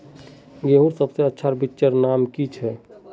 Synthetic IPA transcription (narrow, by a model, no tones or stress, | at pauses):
ɡeɦuɾsəbseətːʃʰaɾbitːʃəɾnaːmkit͡ʃʰɛ